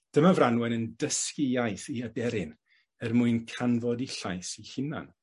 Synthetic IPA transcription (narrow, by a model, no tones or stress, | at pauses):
d̥əmavranwɛnəndəskɪjajθiadɛɾɪn | ərmuɨnkʰanvɔdiɬajsihɪna̰n